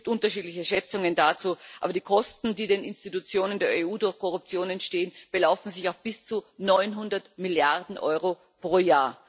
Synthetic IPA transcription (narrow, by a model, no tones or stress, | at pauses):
p̚tʔʊntɐʃiːdlɪçəʃɛt͡sʊŋəndaːt͡suːʔaːbɐdiːkʰɔstn̩diːdeːnɪnstitut͡sjoːnəndeːɐeːuːdʊɐçkʰɔʁʊp̚t͡sjoːnɛntʃteːənb̥əlaʊfn̩zɪçaʊfb̥ɪst͡sunɔʏnɦʊndɐtmɪljaʁdn̩ʔɔ̰ʏʁo | pʁ̥oːjaːɐ